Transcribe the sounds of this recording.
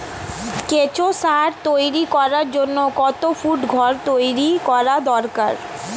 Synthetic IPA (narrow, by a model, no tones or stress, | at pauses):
ket͡ɕosaɾt̪ojɾikɔɾaɾd͡ʑonːokɔt̪ofuʈɡʱɔɾt̪ojɾikɔɾad̪ɔɾkaɾ